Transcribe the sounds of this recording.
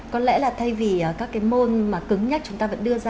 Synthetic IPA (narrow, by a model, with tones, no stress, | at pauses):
kɔ˨˦nlɛ̰˧˥laː˨˩t̪ʰa˧jvi˨˩ʔəː˨˩kaː˦˥kːaː˨˦jmo˧nmaː˨˩kɨ˨˦ŋɲa˦˥t͡ɕʊ˨˦ŋ͡mt̪aː˧və̰˧˥nɗɨ˧əzaː˧